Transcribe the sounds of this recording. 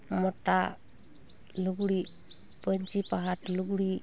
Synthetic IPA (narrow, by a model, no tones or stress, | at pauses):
mɔta | luɡuɽi | pənt͡ʃipaɦatluɡuɽi